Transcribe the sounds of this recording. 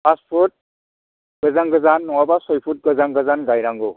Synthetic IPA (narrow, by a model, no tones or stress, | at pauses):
aspʰɔt̚ | ɡ̥ɯzaŋɡɯzanːɔwabasɔjpʰut̚ɡɯzaŋɡazanɡajɾaŋɡɔ